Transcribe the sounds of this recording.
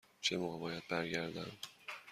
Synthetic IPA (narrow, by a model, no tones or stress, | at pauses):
t͡ʃʰemoɣebɒːjæd̪̚bæɾɟæɾd̪ænd̪